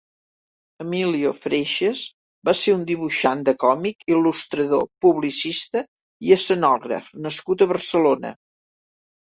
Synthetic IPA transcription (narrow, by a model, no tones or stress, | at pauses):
əmiliofɾeʃəz | baseɾund̪iβ̞uʃand̪əkɔmikilust̪ɾəðo̰puβlisist̪ə | iəsənɔɣɾə̰fnəskut̪əβərsəlonə̰